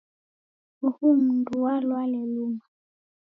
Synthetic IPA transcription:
uhumunduwalwalɛluma

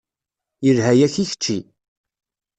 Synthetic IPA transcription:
jəɾɦæjæçiçə̥t͡ʃːi

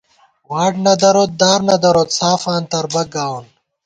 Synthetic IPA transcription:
waːʈnɐd̪ɐɾot̪̚d̪aːɾnɐd̪ɐɾot̪saːfaːnt̪ɐɾbɐɡaːwun

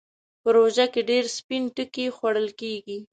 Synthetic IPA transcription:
pəɾoʒakeɖeɾspinʈəkixwaɽəlkeɡi

